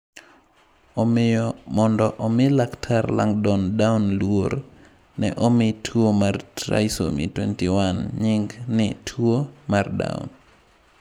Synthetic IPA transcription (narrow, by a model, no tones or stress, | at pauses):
ɔmɪjɔmɔndɔʔɔmɪlaktʰarla̰ŋdɔndawnlwoɾ | nɛ̰ʔomɪtʰwomartɾa̰iso̰mḭtwɛntɪwanɲɪŋɡnɪtʰwomarda̰ʊ̰n